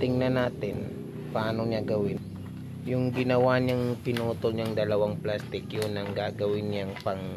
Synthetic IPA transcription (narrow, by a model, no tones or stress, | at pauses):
t̪ɪŋnɐnaːt̪ɪn | pɐʔaːnoɲaɡɐwɪn | jʊŋɡɪnɐwaɲaŋpɪnuːt̪olɲaŋd̪ɐlɐwaŋplast̪ɪkjʊnɐŋɡaːɡɐwɪnjaŋpɐŋ